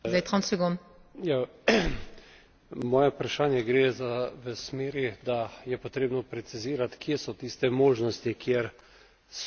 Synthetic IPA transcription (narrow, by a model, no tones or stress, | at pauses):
zajt̪ʁɔ̃nsɛɡonja | mɔːjɛpɾaʃaːnjɛɡɾeːzaʋəsmeːɾid̪ajɛpɔt̪ɾeːbnɔpɾɛt̪siziːɾat̪kjesɔt̪iːst̪ɛmoːʒnɔst̪ikʰjeɾ | s